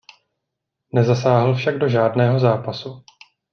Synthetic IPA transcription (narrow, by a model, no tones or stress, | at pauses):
nɛzasaːɦl̩fʃaɡ̚do̞ʒaːdnɛːɦo̞zaːpasu